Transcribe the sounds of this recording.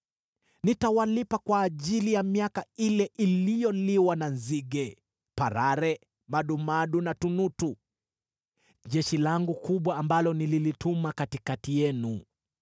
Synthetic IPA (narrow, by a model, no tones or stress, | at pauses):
nitawalipakwaːʄilijamiakailɛʔilijɔliwananziɡɛ | paɾaɾɛ | maɗumaɗunatunutu | ʄɛʃilaŋɡukuɓwaːmbalɔnililitumakatikatijɛnu